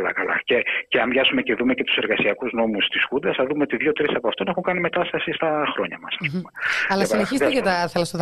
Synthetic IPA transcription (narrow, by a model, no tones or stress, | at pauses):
lɐ̰kɐlɐ̰ceceɐmvʝɐsume̞ceðume̞cet̪u̥se̞ɾɣɐsiɐkuzno̞must̪iskund̪ɐsɐðumeo̞t̪iðʝo̞t̪ɾisɐpoɐft̪onexuŋkɐnime̞t̪ɐst̪ɐsist̪ɐxɾo̞ɲɐ̰mɐsɐspumeɐlɐsineçist̪eɐt̪ɐθelɐst̪oð